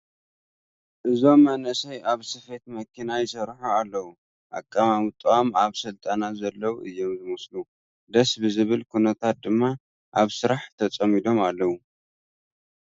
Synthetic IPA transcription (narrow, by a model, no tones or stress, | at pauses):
ʔɨzo̞mːɐnɐsɐjaβsɨfe̞t̪mɐkʰinajɪsɐɾħualːɐwu | ʔa̰kʼːamamɨt̪ʼːuamaβsɨlt̪ʼanazɐlːɐwuʔɨjːo̞mzɨmɨslu | d̪ɐsbɨzɨβɨlkʰunɐt̪ʰat̪̚d̪ɨmːa | ʔaβsɨɾaħt̪ʰɐt͡sʼɐmid̪o̞malːɐwu